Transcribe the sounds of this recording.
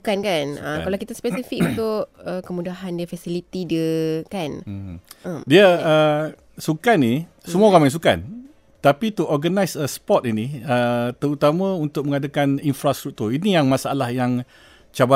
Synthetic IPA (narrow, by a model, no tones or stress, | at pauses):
kankanəkalawkit̪aspɛsifik̚unt̪ʊʔəkəmũdaɦandiəfasilit̪idiəkan | ədiəə | sukani | səmuaoɣamãjs̬uka̰n | t̪apit̪uɔɡənajsəsə̥pɔt̪iniət̪əɾut̪amãunt̪ʊk̚məŋadakaninfɾast̪ɾuk̚t̪urinijaŋmãsaalahjaŋ | t͡ʃaba